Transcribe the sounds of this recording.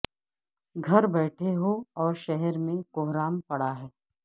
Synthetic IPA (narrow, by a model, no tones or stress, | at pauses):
ɡʱɐɾbɛːʈʰeɦoɔːɾʃɛɦɛɾmẽkʊɦɾaːmpɐɽaɦɛː